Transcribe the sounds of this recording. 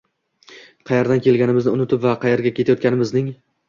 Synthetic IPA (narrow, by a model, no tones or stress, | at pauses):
qʰɑjeɾd̪ankʲʰe̞lɡʲanɪmɪznɪʊnɪt̪ʰɪpvaqʰɑjeɾɡʲakʲʰe̞t̪ʰajɒt̪kʲanɪmɪznɪŋ